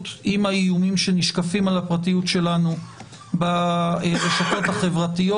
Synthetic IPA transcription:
timhaijumimʃe̞niʃkafimalapʁatijutʃe̞lanu | baeʁeʃato̞thaχe̞vʁatijo

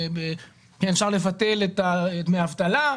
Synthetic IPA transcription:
be | kenʃaʁle̞vat̪e̞let̪aetmeavt̪ala

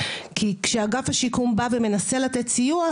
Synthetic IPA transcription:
kʰikʃeaɡafhaʃikumbaveme̞nase̞lat̪et̪sijua

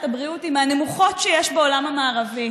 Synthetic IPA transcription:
tabʁiutimanemuχo̞tʃejɛʃbeo̞lamamaːʁavi

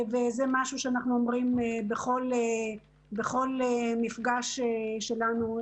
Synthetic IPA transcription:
vezemaʃuʃeanaχnuomʁimebeχo̞le | beχo̞lemifɡaʃeʃe̞lanu

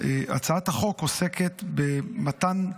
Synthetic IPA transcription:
eʔa̰t͡saat̪haχo̞kose̞ket̪bemat̪an

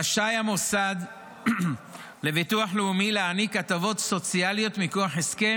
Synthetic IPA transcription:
aʃajamosad̪ | le̞vituaħleumileanikat̪avo̞t̪so̞t͡sialijo̞t̪mikoaħeske̞

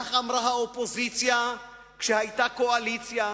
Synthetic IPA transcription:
χamɾaɦaopo̞zit͡sja | kʃehajt̪akoalit͡sja

